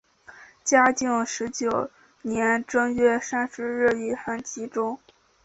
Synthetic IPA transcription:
t͡ɕja˥t͡ɕi˥˩ŋʂɻ̩˧˥t͡ɕjo˨˩ʊ | njɛ˧˥nʈ͡ʂɤ˥ŋɥɛ˥ʂa˥nʂɻ̩˥ɻ̩˥˧i˥˩xa˥˩nt͡ɕi˧˥ʈ͡ʂʊ˥ŋ

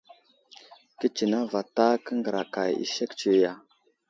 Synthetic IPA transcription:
ki˦t͡ʃi˨na˦va˨ta˦kə˦ŋɡə˨ɾa˨ka˨jḭ˨ʃe˦kt͡ʃi˦˨ja˨

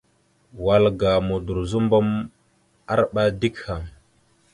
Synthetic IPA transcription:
wa˨lɡa˨mu˨du˨ɾzu˦mbo˦m | a˦ɾɓa˦di˦kha˨m

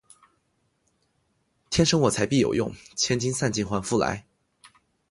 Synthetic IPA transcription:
t̪ʰjɛ˥nʂɤ˥ŋwɔ˨˩t͡sʰa˧˥ɪpi˥˩jo˨˩ʊjʊ̰˥˩ŋt͡ɕʰjɛ˥nt͡ɕi˥nsa˥˧nt͡ɕi˥˩nxwa˧˥nfu˥˩la̰˧˥ɪ

